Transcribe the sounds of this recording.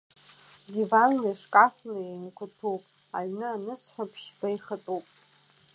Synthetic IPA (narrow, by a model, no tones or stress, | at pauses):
divanːaʂkʼafnainkʷʰʊtʰupʼ | aɥnɨanɨsħʷapʰʂbajχat͡sʼupʼ